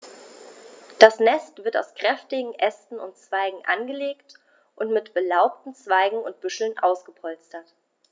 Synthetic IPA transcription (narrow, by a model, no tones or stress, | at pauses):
d̥asnɛstv̥ɪɐta̰ʊskʁ̥ɛftɪɡŋ̩ʔɛstn̩ʊ̰ntt͡sv̥aɪɡŋ̩ʔa̰nɡəleːkt | ʔʊntmɪtb̥əlaʊp̚tn̩t͡sv̥aɪɡŋ̩ʊnt̚b̥ʏʃl̩nʔa̰ʊsɡ̥əpʰɔlt͡stɐt